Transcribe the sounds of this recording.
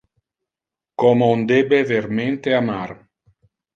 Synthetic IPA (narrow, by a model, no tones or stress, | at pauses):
kɔmond̪ebeverment̪eamar